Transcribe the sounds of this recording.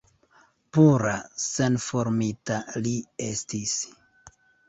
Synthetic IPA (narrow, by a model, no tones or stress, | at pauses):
puɾase̞nfo̞ɾmitalie̞stis